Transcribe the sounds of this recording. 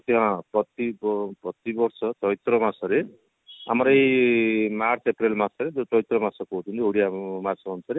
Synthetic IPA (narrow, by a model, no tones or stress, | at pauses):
t̪jãpʌt̪ːibpʌt̪ːibʌɾsʰʌtʌjt̪rʌmat͡sʌɾe | a̰mʌɾʌj | mart͡sʰeprelmat͡sʌɾetʌjt̪rʌmat͡sʌkoɦot̪ʰunt̪ioɽijamat͡sʰmʌnt͡sʰʌɾe